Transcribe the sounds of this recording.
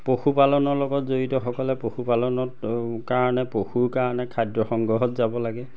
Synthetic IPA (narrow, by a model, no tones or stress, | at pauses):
poxupalɔnɔɹlɔɡɔtzoɹitɔxɔkɔlɛpoxupalɔnɔkaɹɔnɛpoxuɹkaɹɔnɛkʰadɹɔxɔŋɡɹɔɦɔtzabɔlaɡɛ